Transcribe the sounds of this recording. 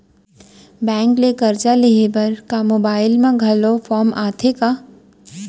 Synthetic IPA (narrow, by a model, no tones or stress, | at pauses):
bɛ̃ːŋklekɐɾt͡ʃaleɦebɐɾkamoːbaːɪlmãɡʱɐlofʰɔːmaːt̪ʰeka